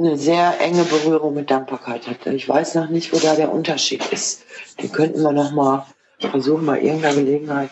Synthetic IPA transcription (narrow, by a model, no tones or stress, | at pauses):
nəzeːɐʔɛŋəbəʁyːʁ̞ʊŋmɪt̚d̥aŋk̚b̥aɐkʰaɪthat̚ɪçv̥a̰ɪsnɔχnɪçtv̥oːdaːɾeːɐʔʊ̰ntɐʃḭːtɪstd̥ḛːnkʰœntn̩viːɐnɔχmaːl | fɛɐzuːxn̩baɪʔɪ̰ɐɡŋ̩taɡəleːɡŋ̩haɪt